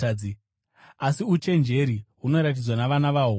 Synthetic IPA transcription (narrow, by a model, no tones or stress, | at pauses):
i | asiut͡ʃe̞nd͡ʒe̞ɾiɦuno̞ɾat̬id͡zwanaʋanaʋao